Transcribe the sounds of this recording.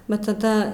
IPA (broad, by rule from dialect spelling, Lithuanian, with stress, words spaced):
ʋɐ tɐˈdɐ